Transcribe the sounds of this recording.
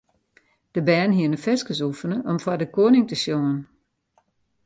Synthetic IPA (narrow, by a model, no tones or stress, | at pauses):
d̥əbɛːnɦiənəfɛskəs̬ufənəʔɔmfɔdəkoːnɪŋtəsjoŋən